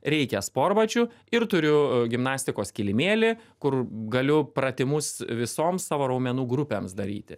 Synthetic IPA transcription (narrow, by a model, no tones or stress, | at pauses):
ɾʲɛɪkʲɛspoːɾbɐt͡ʃʲʊ | ɪɾt̪ʊɾʲʊɡʲɪmnɑːsʲt̪ʲɪkoːskʲɪlʲɪmʲeːlʲɪkʊrɡɐlʲʊpɾɐt̪ʲɪmʊsʋʲɪsoːmsɑːʋoːɾɐʊmʲɛnuːɡɾʊpʲeːmsd̪ɐɾʲḭːt̪ʲɪ